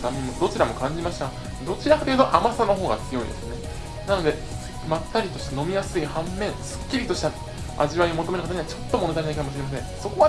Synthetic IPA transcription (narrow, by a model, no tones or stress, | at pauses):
t̪amemːod̪o̞t͡ɕiɾamo̞kãɲ̟d͡ʑimaɕi̥t̪a | d̪o̞t͡ɕiɾakat̪ejɯ̟t̪oʔamasanːoɦo̞ːɡa̰t͡sɨjo̞ḭd̪esɨne̞ | nano̞d̪e̞ | mat̪ːaɾʲit̪o̞ɕi̥t̪ano̞mʲijasɨihãmːẽ̞ɰ̃sɨ̥kʲːiɾʲit̪o̞ɕi̥t̪a | a̰ʑiβaio̞moome̞ɾɯkat̪aɲiβat͡ɕo̞t̪ːo̞mo̞net̪aɾʲenaikamoɕiɾe̞mas̬ẽ̞ŋ̃so̞ko̞βa